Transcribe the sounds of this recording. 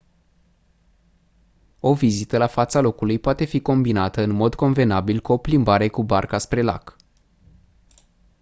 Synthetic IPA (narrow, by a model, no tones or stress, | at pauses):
o̞vizit̪əlafat̪salo̞kulujpoat̪e̞fiko̞mbinat̪əɨnmo̞d̪ko̞nve̞nabilkuo̞plimbaɾe̞kubarkaspɾe̞la̰k